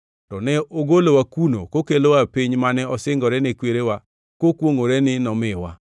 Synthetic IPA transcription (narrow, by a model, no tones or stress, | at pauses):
tɔnɛʔoɡolowakuno̰kokeloapɪɲmanɛɔsɪŋɡɔɾɛnekweɾewa | kokwoŋoɾɛnɪnɔmɪwa̰